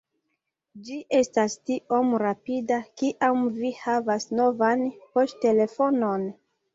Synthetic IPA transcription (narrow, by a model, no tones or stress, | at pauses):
d͡ʒiʔe̞stastiʔo̞mɾapidakiʔamvihavasnovanpo̞ste̞le̞fo̞no̞n